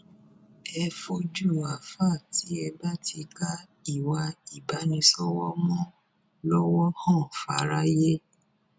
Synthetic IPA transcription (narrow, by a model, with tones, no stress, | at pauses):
ɛ˧fo˧d͡ʒu˦˨a˨fa˦˨ti˨˦ɛ˧ba˦tʰi˧ka˦ | i˦˨wa˧i˨ba˨˦nĩ˧sɔ˦wɔ˦mɔ̃˦ | lɔ˦wɔ˦hɔ̃˦˨fa̰˧˦ɾa˦je˦